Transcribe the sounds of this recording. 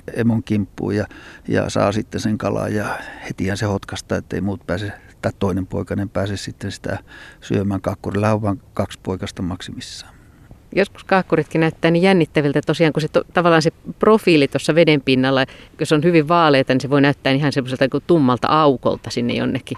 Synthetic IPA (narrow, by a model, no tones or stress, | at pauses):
ḛmoŋkimpːṵːjɑjɑ̰sɑ̰ːsit̪ːenseŋkɑlɑ̰jjɑhet̪ihænsehot̪kɑst̪ɑːet̪ːḛimuːt̪pæːse | t̪ɑˑtt̪oˑinempo̰ikɑnempæːsessit̪ːensi̥t̪æ̰syømæːŋkɑːkːurilːɑhoʋʋɑːŋkɑkspoikɑst̪ɑmɑksimisːɑ̥ː | josku̥skɑːkːurit̪kinnæyt̪ːæːnijjænːit̪ːæʋilt̪æt̪osiɑːŋkuset̪ot̪ɑʋɑlːˑɑːnseprofiːlit̪osːɑʋedempinːɑlːɑjosonhyʋiʋʋɑːleːt̪ɑniseʋoinæyt̪ːæːnihɑnsemːoselt̪ɑkut̪umːɑlt̪ɑ̰ʔɑuko̰lt̪ɑsinːḛjo̰nːekːi